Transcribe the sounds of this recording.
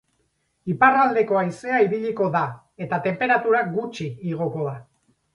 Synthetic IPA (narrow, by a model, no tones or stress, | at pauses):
iparald̪e̞ko̞ajse̞aiβiʎiko̞ða | e̞t̪at̪e̞mpe̞ɾat̪uɾaɡut͡ʃiːɣ̞o̞ko̞ða